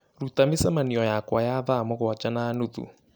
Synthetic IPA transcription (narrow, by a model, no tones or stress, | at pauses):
ɾutamisɛmaniɔjakwajaðaːmɔɣʊwat͡ʃanaːnuðṵ